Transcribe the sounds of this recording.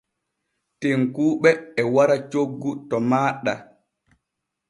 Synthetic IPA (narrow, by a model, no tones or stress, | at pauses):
teŋkuːɓɛːwaɾat͡ʃoɡːutɔmaːɗa